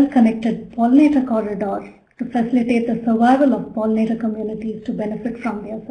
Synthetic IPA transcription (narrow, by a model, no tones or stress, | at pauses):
lkənɛk̚ʈeɖ̚pʰɔːlneːʈəkɔːɾɪɖɔːɾ | ʈufəsɪlɪʈeːʈ̚d̪əsəɾʋaɪʋəlɔʋpɔːlneːʈəkəmjuːnɪʈiz̥ʈubɛnɪfɪʈfɾɔ̃md̪es